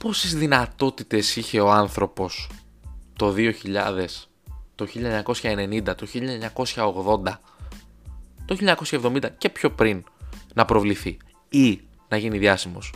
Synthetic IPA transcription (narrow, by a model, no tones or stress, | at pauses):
po̞sizðinɐt̪o̞t̪it̪e̞siçe̞o̞ɐnθɾo̞po̞s | t̪o̞ðio̞çiʎɐ̰ðe̞s | t̪o̞çiʎɐeɲɐko̞sçɐe̞ne̞nind̪ɐt̪o̞çiʎɐɲɐko̞sçɐoɣðo̞nd̪ɐ | t̪oçiʎɐɲɐko̞sçɐevðo̞mind̪ɐce̞pço̞pɾin | nɐpɾo̞vliθi | i | nɐʝiniðjɐsimo̞s